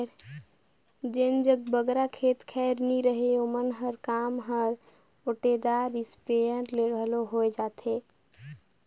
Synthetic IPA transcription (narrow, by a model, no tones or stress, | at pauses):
ɾ | d͡ʒend͡ʒəɡ̚bəɡɾakʰet̪kʰɛɾniɾəɦeomənɦəɾkamɦəɾ | oʈed̪aɾispeəɾleɡʱəloɦojd͡ʒat̪ʰe